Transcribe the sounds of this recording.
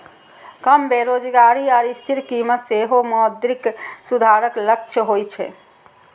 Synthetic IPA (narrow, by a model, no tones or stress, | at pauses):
kəmbeɾod͡ʒɡaɾiɔːɾist̪ʰiɾkimət̪seɦomɔd̪ɾiksud̪ʱaɾəklək̚t͡ʃʰəɦojt͡ʃʰɛ̰